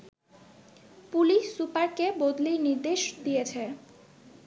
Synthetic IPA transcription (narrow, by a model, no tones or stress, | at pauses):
puliʃsːupaɾkebod̪liɾniɾd̪eʃd̪ijet͡ɕʰe